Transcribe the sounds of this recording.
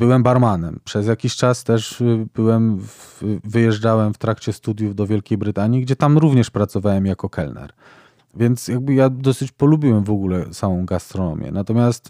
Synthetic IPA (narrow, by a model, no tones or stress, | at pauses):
bɘwɛmbaɾmanɛmpʂɛzjakʲiɕt͡ʂast̪ɛʐbɘwɛmvvɘjɛʐd͡ʐawɛmft̪ɾakt͡ɕɛst̪ud̪ʲjuvd̪ɔvʲjɛlkʲejbɾɘt̪aɲjiɡd͡ʑɛt̪amɾuvɲɛʂpɾat̪sɔvawɛmjakɔkʰɛlnɛ̰ɾ | vʲjɛnt̪sjaɡ̚bɘjad̪ɔsɘt͡ɕpɔlubʲiwɛmvɔɡulɛsawɔ̃w̃ɡast̪ɾɔnɔ̰mʲjɛ̰nat̪ɔmʲjast̪